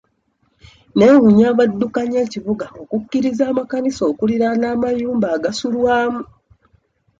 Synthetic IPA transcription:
ne̞wuɲaːβadːukaɲe̞ːciβuɡao̞kucːiɾizaːmakaniso̞ːkuliɾanaːmajuːmbaːɡasulwaːmu

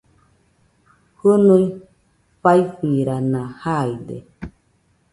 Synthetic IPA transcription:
hɨnuj | ɸajfiɾanãhajd̪ḛ

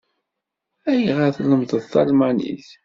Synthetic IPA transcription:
æjʁəθləmðəðθɑ̰lmænḭθ

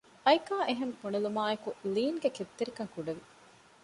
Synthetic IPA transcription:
ɐjkaːʔeɦemfunilumaːekuliːŋɡeket̪ːiɾikɐŋkuɖeʋi

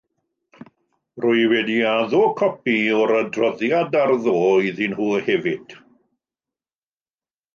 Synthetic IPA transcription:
rʊɨwɛdiaðoːkʰɔpiɔɾədrɔðjadarðoːiðinhuːhɛvɪd̥

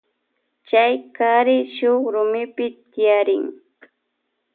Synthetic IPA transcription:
t͡ʃajkaɾɪʃoχɾʊmɪpɪɪjaɾɪ̰ŋ

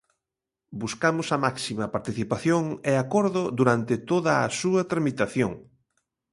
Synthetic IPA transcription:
buskamʊsɐmaksimɐpaɾt̪iθipaθjoŋeakoɾðʊd̪uɾant̪ɪt̪oðɐ̰ːsuɐt̪ɾamit̪aθjoŋ

